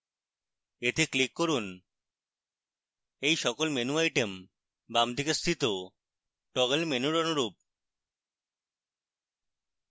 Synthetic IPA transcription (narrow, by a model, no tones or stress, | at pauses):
et̪eklikːoɾun | ejʃɔkolmenuajʈem | bamd̪ʱikest̪ʰit̪o | ʈɔɣelmenuɾonuɾup̚